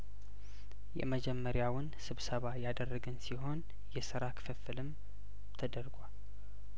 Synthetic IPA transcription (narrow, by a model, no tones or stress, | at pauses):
jɛ̰məd͡ʒɛmːəɾjawɨnsɨβsəβajad̪ərːəɡɨnsiɦo̞n | jɛsɨɾakʰɨ̥fɨfːɨlɨm | t̪ʰəd̪ərɡʷal